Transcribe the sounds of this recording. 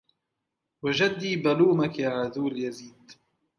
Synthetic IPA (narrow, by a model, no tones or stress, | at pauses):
wad͡ʒad̪ːiːbaluːmakjaʕaðuːljaziːd̪